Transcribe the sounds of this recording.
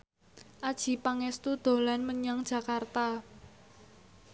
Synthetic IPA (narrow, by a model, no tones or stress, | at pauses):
ʔad̥ʒ̥i̤paŋɛst̪ud̪̥o̤lanməɲaŋd̥ʒ̥ä̤kart̪a